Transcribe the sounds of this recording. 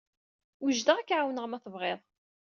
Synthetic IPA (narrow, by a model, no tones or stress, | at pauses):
uʒd̪əʁækːʕawnəʁmæθəvʁeðˤ